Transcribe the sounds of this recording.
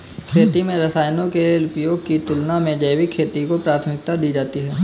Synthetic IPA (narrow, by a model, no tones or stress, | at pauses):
kʰeːt̪imẽɾɐsaːjnõkeʊpjoːɡ̚kit̪ʊlnamẽd͡ʒəːwikʰːeːt̪ikopɾaːt̪ʰəmɪk̚t̪ad̪iːd͡ʒaːt̪iɦɛː